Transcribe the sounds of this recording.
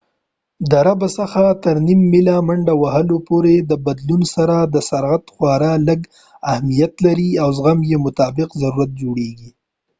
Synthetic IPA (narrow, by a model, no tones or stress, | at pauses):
d̪əɾabasaxat̪əɾnimːɪlamaɳɖawahəlopoɾed̪əbad̪lunsaɾad̪əsaɾɣat̪xwɑɾaləɡ | ahmijat̪laɾiawzɣamjemʊt̪ɑbɪqzaɾuɾat̪̚d͡ʒoɽeɡi